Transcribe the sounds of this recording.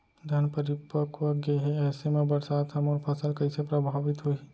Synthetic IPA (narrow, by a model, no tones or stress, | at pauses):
d̪ʱɐnpəɾɪpəkʋəɡeɦeɛːsemẽbɐɾsaːt̪ɦɐmɔːɾpʰəsəlkɐɪsepɾɐbʱaːʋɪt̪ɦoi